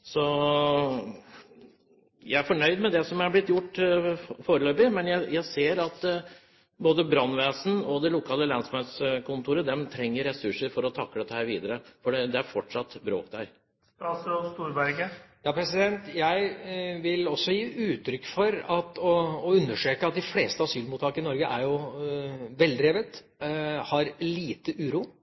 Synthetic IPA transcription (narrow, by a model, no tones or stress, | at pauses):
sɔ | jæɪæɾfɔɳœʏd̪mɛd̪ɛsɔmæɾblɪt̪ːjʊʈːfoːɾəløːbɪmɛnjæɪjæɪseːɾɑt̪ | boːd̪əbɾɑnʋeːsn̩ɔd̪ɛlʊkʰɑːləlɛnsɔmɛt̪skʊnt̪ʰuːɾəd̪ɛmt̪ʰɾɛŋːəɾːɛsʉʂəɾfɔɾɔt̪ʰɑkːəd̪ɛt̪ːəhæːɾʋiːd̪əɾəfɔɖɛd̪ɛæɾfɔʈʂɑt̪ːbɾo̰ːkd̪æɾ | ɑsst̪uːɾbæɾɡəjɑːpʰɾɛsɪd̪ɛnt̪jæɪʋɪlɔsːɔjiːʉːt̪ʰɾʏkːfɔɾɑt̪ɔːʉnːəʂøːkəɑt̪̚d̪ɪfleːst̪əɑsyːlmuːt̪ʰːɑːkəɪnɔɾɡəʔæɾjʊ | ʋɛld̪ɾeːʋət̪ | hɑɾliːt̪əʔʉːɾuː